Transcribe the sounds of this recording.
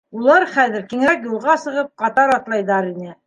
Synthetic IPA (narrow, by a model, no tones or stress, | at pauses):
ulˠɑɾχæðɘ̆ɾkiŋækjulˠʁɑsɤ̆ʁɤp̚qɑt̪ɑɾɑt̪lˠɑjðɑɾinɘ